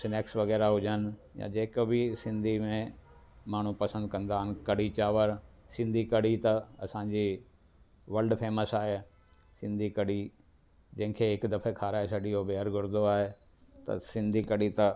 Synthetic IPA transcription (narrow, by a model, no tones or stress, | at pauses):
sɪneːksʋɐɣɛːɾaɦʊd͡ʑənɪ̆jã̰d͡ʑeːkbɪsɪ̃nd̪ʱimẽ | maːɳ̤upɐsə̃nd̪̚kɐ̃nd̪aːɦɪnɪ̆kɐɽit͡ɕaːʋəɾ | sɪ̃nd̪ʱikɐɽit̪ɐɐsãɲd͡ʑiː | ʋɐlɖfeːməsaːɦe | sɪ̃nd̪ʱikɐɽi | d͡ʑɐ̃ɦɪ̃kʰeːɦɪkd̪ɐfekʰaːɾaːesɐɖijobeɦəɾɡʱʊɾd̪oaːɦe | t̪ɐ̰sɪ̃nd̪ʱikɐɽit̪ɐ